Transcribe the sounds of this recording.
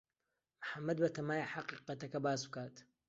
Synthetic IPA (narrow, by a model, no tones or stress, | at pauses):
mħamːɐd̪̚bɐt̪ɐmaːjaħaqiːqɐt̪ɐkɐbaːsb̚kaːt̪